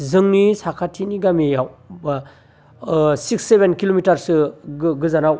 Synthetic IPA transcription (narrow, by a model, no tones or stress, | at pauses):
zɯŋnisakʰatʰiniɡamijawba | siksːebʱenkilomitaɾsɯɡɯzanaw